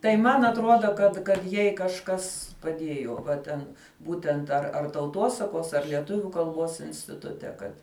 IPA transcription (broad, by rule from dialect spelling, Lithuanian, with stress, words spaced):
tɐɪ ˈmɐn ɐtˈruɔdɐ kɐt kɐt ˈjɛɪ kɐʃˈkɐs pɐˈdʲiɛjoː ʋɐ ˈtʲɛn ˈbuːtʲɛnt ɐr ɐr tɐʊˈtuɔsɐkuɔs ɐr lʲiɛˈtʊʋʲʊ kɐlˠˈbuɔs ɪnʲsʲtʲɪˈtʊtʲɛ ˈkɐt